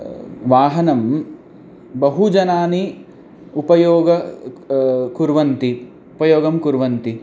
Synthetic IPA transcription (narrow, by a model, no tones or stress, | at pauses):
ʋaːɦɐnɐm | bɐɦud͡ʒɐnaːni | upɐjoːɡɐ | kuɾʋɐnt̪i | upɐjoːɡɐmkuɾʋɐnt̪i